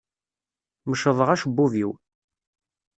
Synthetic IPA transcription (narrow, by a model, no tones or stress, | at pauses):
məʃəðˤəʁæʃəbːuviw